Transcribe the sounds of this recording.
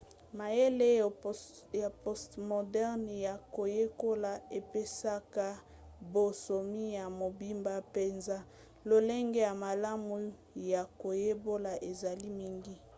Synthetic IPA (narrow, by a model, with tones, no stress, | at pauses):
ma˨je˦le˦˨ | ja˨po˦stmo˨dɛ˦ʁnja˨ko˨je˦ko˦la˨e˨pe˦sa˦ka˦ | bo˨so˨mi˦ja˨mo˨bi˦mba˦pe˨nza˦ | lo˨le˦ŋɡe˦ja˨ma˨la˦mu˨ | ja˨ko˨je˦bo˦la˨ʔe˨za˨li˦mi˦ŋɡi˦